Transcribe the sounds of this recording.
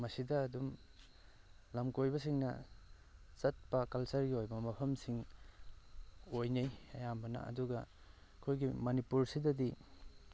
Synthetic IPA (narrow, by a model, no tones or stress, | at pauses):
mɐsidɐːdum | lɐmkojbɐsiŋnɐ̰ | t͡ʃɐt̚pɐkɐlsɐɾɡiojbɐmɐpʰɐmsiŋ | ojnejɐjambɐnɐ̰ɐ̰duɡɐ | kʰojɡimɐnipuɾsidɐdi